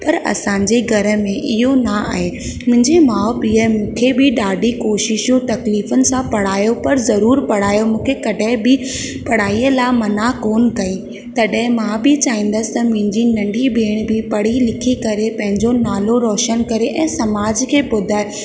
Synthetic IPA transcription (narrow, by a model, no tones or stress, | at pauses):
pɐɾɐ̰sãːɲd͡ʑeɡʱɐɾə̆mẽʔɪɦonɐa̰ːɦeː | mʊ̃ɦɪ̃ɲd͡ʑemaːpiəmũːkʰebɪɗaːɖikoːʃɪʃjũt̪ɐkliːfənɪ̆sãpɐɽ̤aːjopɐɾzɐɾuːɾpɐɽ̤aːjomũːkʰekɐɗəɦɪ̃bɪ | pɐɽ̤aːiːəlaːmɐnakoːnkɐĩ | t̪ɐɗɦɪ̃mãbɪt͡ɕaːĩːn̆d̪əsɪ̥t̪ɐmʊ̃ɦɪ̃ɲd͡ʑinɐ̃ɳɖʱibʱeːɽ̃bɪpɐɽ̤ilɪkʰikɐɾepɐ̃ɦɪ̃ɲd͡ʑonaːloɾɔːʃənkɐɾeʔɛ̃ːsɐmaːd͡ʑkʰeːpʊd̪ʱaːe